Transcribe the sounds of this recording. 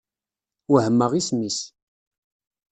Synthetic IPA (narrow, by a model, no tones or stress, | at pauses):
wəhəmːəʁismis